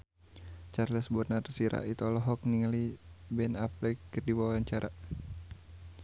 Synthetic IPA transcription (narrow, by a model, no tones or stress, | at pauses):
t͡ʃarləsbɔrnarsiɾa̰ʔit̪ɔlɔɦɔk̚niŋalibɛnaflɛkːərdiwawaɲt͡ʃaɾʔa